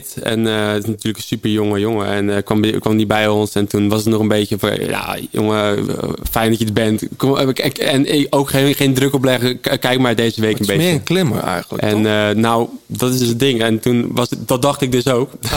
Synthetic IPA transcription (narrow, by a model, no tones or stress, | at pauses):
tɛ̰nətɪsnatyːɹləkənsypəɹjʊŋəjoŋəɛnkʋɑmbkʋɑmnit̚bɛjɔnsɛntunʋɑsətnɔχənbejəfɔ̰ja̰jo̰ŋə | fɛjndɑtjədəbɛntkɪkɛnɪowkχeχejndrøkɔp̬lɛχəkɛjk̚maɹdejzəʋejkənbemklɪmə̰ɛ̰jxəlɛnnawdɑtɪsdsədɪŋɛntunʋɑsdɑt̚dɑχtɪɡ̚dɵsowk